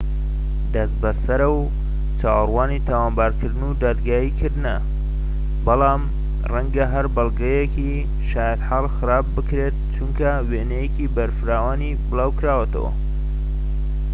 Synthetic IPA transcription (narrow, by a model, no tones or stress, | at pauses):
d̪ɐst̪bɐsɐɾɐw | t͡ʃaːwrwaːnit̪ʰaːwaːmbaːɾkʰɨɾd̪ɨnud̪aːd̪ɡaːjikʰɨɾd̪nɐ | bɐlɑːm | rɐŋɡɐɦɐɾbɐlˠɡɐjeki | ʃaːjat̪ħaːlˠxɨɾaːb̚ːɨkɾet̪̚t͡ʃuŋkɐ | wenejecibɐɾfɨɾaːwaːnibɨlaːwkɾaːwɐt̪ʰɐ̰wɐ̰